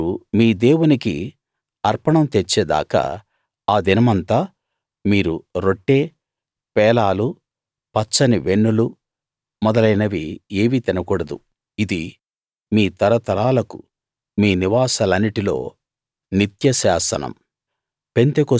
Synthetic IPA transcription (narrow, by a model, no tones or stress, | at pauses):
umiːd̪eːwunikḭ | ɐɾpɐɳɐmt̪et͡ʃːeːd̪a̰ːkɐ̰ | aːd̪inɐmɐnt̪aː | miːɾuɾo̞ʈːe̞ː | pɛːlaːlu | pɐt͡ʃːɐniʋeɳːulu | mɔd̪ɐlɐjnɐʋieːʋit̪ɛnɐkuːɽɐd̪ṵ | id̪i | miːt̪ɐɾɐt̪ɐɾaːlɐkṵ | miːniʋaːsɐlɐnːiʈilo̞̰ː | nit̪jɐsaːsɐ̰nɐ̰m | pe̞nt̪eko